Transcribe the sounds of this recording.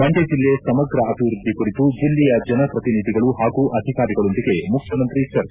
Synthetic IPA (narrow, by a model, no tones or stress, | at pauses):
ɐɳd͡ʒed͡ʒilːe̞sɐmɐɡɾɐɐt̪iʋɾud̪ʱːikuɽit̪ud͡ʒilːijɐd͡ʒɐnɐpɾɐt̪inid̪ʱiɡɐɭuɦaːɡuʔɐd̪ʱikaːɾiɡɐɭond̪iɡe̞mukʰjɐmɐnt̪ɾit͡ʃɐɾ